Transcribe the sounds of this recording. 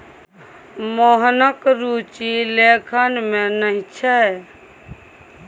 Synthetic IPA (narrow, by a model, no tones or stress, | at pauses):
moɦnəkɾut͡ʃilekʰənmenəɦit͡ʃʰɛ